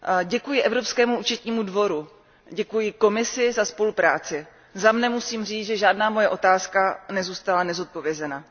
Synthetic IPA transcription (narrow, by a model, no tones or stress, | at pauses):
ɟɛkujɪʔɛvɾo̞pskɛːmuʔuːt͡ʃɛt̪ɲiːmudvo̞ɾu | ɟɛkujɪko̞mɪsɪzaspo̞lupɾa̰ːt͡sɪ | zamnɛmusiːmr̝iːt͡sʒɛʒaːdnaːmo̞jɛʔo̞t̪aːskanɛzuːst̪alanɛzo̞t̪̚po̞vjɛzɛna